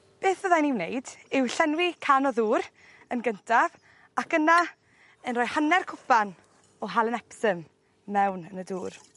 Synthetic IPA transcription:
b̥eːθvəðaniwnejd̥ɪwɬɛnwikʰanɔðuːɾ | ənɡəntʰav | akəna | ənrɔːjhanɛrkʰʊpan | ɔɦalˠənɛpsəmː | ɛwnənəduːr

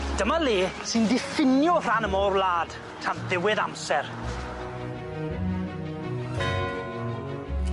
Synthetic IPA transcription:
d̥əmaliːsɨndɪfɪnjʊr̥anəmɔːrlˠaːd̥ | tʰanðɪwɪða̰msɛr

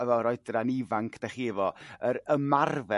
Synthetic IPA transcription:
ɛvɔɾɔɨdranivaŋkʰd̥ɛχiɪvɔəɾəmarvɛ

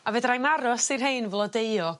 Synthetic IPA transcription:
avɨːdrajnaɾɔsirɦejnvlˠɔdeɨɔ

